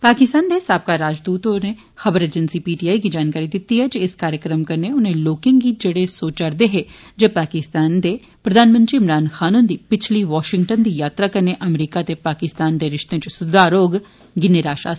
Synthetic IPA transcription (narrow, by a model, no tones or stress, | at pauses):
paːkɪst̪aːnd̪esaːb̚kaːɾaːd͡ʒd̪uːt̪oneː | xəbəɾeːd͡ʒənsiːpiːʈiːaːikid͡ʒaːnkaːɾid̪ɪt̪ːiɦɛd͡ʒiɪskaːɾjəkɾəmkəɾneʊnẽːloːkɪ̃ŋɡid͡ʒeɽesoːt͡ʃəɾd̪eɦeː | d͡ʒepaːkɪst̪aːnd̪eː | pɾəd̪aːnmə̃nʈ̪ɾiːɪmɾaːnxʰaːnũːnd̪iːpɪt͡ʃʰliʋɔːʃɪ̃ŋʈənd̪ijaːt̪ɾaːkəɾneʔəmɾiːkat̪epaːkɪst̪aːnd̪eːɾɪʃt̪ẽt͡ʃsʊd̪aːɾoːɡ | ɡɪneɾaːʃa̰ː